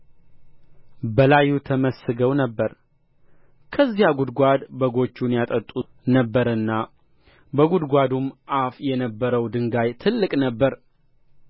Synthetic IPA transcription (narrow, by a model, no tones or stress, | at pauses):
bəlajut̪ʰəməsɨɡəwnəbːəɾ | kʰəzːijaɡud̪ɡʷad̪bəɡo̞t͡ʃːunjat̪ʼət̪ʼu | nəbːəɾɨnːa | bəɡud̪ɡʷad̪umʔafjɛnəbːəɾəwd̪ɨŋɡajt̪ʰɨlːɨkʼnəbːəɾ